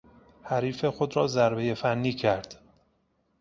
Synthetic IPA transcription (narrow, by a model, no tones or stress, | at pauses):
hæɾiːfe̞xo̞d̪ɾɒːzæɾbe̞je̞fænːiːcʰæɾd̪̥